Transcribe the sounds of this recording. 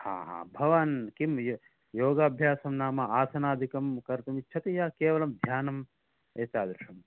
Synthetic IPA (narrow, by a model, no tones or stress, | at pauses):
ha̰ːɦa̰ːbʱɐʋɐnkimj | joːɡaːbʱjaːsɐmnaːmɐaːsɐnaːd̪ʱikɐmkɐɾt̪ɐmitːt͡ʃʰɐt̪ijaːkeːʋɐlɐmd̪ʱjaːnɐm | eːt̪aːd̪ɾuʂɐm